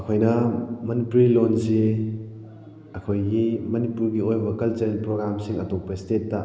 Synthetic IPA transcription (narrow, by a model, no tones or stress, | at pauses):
ɐkʰojnɐmɐnipuɾilonsi | ɐkʰojɡimɐnipuɾɡiojbɐkɐlt͡ʃɐɾinpɾoɡɾamsiŋɐtok̚pɐistetːɐ